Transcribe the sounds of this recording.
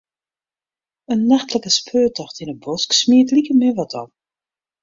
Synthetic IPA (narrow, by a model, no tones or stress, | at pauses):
ənːaxtləkəspʰøːtɔxtinəbɔsksmiətlikəmɪʋɔtʰɔ̰l